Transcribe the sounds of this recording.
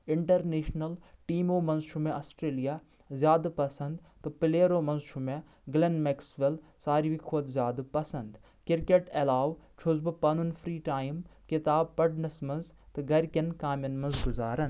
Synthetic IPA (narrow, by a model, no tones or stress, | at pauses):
ɪɳʈɐɾneːʃnɐlʈiːmoːmɐ̃nzʃumẽʔɐsʈɾeːlijaː | zjaːd̪pɐsɐnd̪t̪ɨpɪleːɾoːmɐ̃nzʃumẽ | ɡlenmeksʋel | saːɾiʋikʰoːd̪zjaːd̪pɐsɐnd̪ | kɪɾkeʈɐlaːʋt͡ʃʰʊzbɨpɐnunfʰɾiːʈaːjimkɪt̪aːb̚pɐɽnɐsmɐ̃nz | t̪ɨɡɐɾkʲɐnkaːmʲjɐnmɐnzɡʊzaːɾɐn